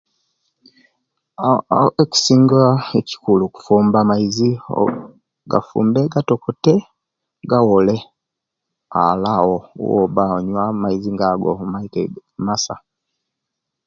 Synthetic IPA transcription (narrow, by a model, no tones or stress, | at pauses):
eci̥siːŋɡaeci̥kuluku̥fuːmbamaizḭ | ɡa̰fṵːmbeɡatokute | ɡawole | a̰lawowo̰βaɲwamaiziŋɡaɡo̰maitemasa̰